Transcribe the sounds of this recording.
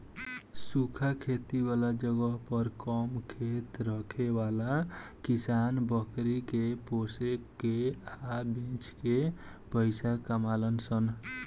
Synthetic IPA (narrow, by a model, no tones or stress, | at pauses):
sukʰakʰet̪iwalad͡ʒəɡəɦpəɾkɔmkʰet̪ɾəkʰewala | kisanbəkɾikeposekːeabẽt͡ʃke | pəɪsakamalənsən